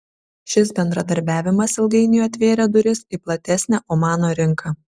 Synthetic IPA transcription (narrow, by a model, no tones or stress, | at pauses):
ʃʲɪsbʲɛnd̪ɾɐd̪ɐɾʲbʲæːʋʲɪmɐsɪlˠɡɐɪnʲɪjɐt̪ʲʋʲeːɾʲɛd̪ʊɾʲɪsiplˠɐt̪ʲɛsʲnʲɛːʔoːmɑːnoːɾʲɪŋˑkʰɑ